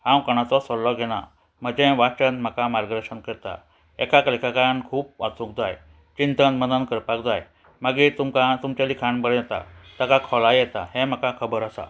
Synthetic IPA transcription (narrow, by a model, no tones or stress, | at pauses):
hãwkəɽ̃at͡sɔsɔllɔɡʱɛɽ̃a̰ | m̤əd͡ʑẽʋat͡ɕənm̤əkamaɾɡd̪əɾɕənkəɾt̪a̰ | ɛkaklikakajankʰuːp̚ʋat͡sũkd͡zaj | t͡ɕint̪ənmənənkəɾpakd͡zaj | maɡit̪umkat̪umt͡ɕalikʰaɳbəɭat̪a̰t̪əkakʰɔlajɛt̪a̰hẽm̤əkakʰəbəɾəsa̰